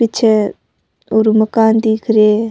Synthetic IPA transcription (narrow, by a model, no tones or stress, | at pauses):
ɪtːt͡ʃʰe | oɾuməkaːnd̪iːkʰɾeː